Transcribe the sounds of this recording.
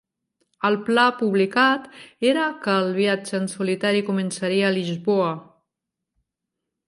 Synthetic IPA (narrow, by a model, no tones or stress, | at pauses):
əlˠplapuβlikat̪eɾəkəlˠβiad͡ʒəːnsulit̪aɾikumənsaɾiəːlizβoə